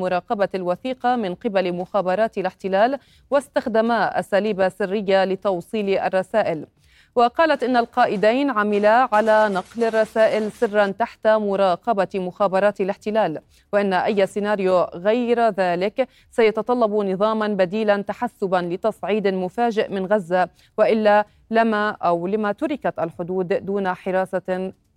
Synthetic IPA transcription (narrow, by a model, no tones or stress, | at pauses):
mʊɾˤɑːqɑbalwaθiːqɑmɪnqɪbalmʊxaːbɑɾˤɑːt̪alɪħt̪ɪlaːl | wast̪axd̪amaʔa̰saːliːbasɪrːɪjːalɪt̪ɑwsˤiːlʔa̰rˤːɑsaːʔɪl | waqɑːlat̪ʔɪnːalqɑːʔɪd̪ajnʕamɪlaʕalaːnɑqlarˤːɑsaːʔɪlsɪrːant̪aħt̪amʊɾˤɑːqɑbamʊxaːbɑɾˤɑːt̪alɪħt̪ɪlaːl | wɪʔɪnːaʔajːsɪnaːɾjʊɣajɾðaːlɪk | sajɑt̪ɑt̪ˤɑlːɑbunɨðˤɑːmɑnbad̪iːlant̪aħasːʊbanlɪt̪ɑsˤʕiːd̪mʊfaːd͡ʒɪʔmɪnɣazːa | wɪʔɪlːa | lɪmaʔawlɪmat̪ʊɾɪkat̪ʔalħʊd̪uːd̪d̪uːnaħɪɾˤɑːθa